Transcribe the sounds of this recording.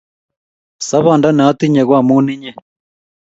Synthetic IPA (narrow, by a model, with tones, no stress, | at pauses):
sa˦βa˦˨nda˦nː˨˦t̪i˦ɲɛ˨ɣwa˦˨mu˦ni˦ɲɛ˦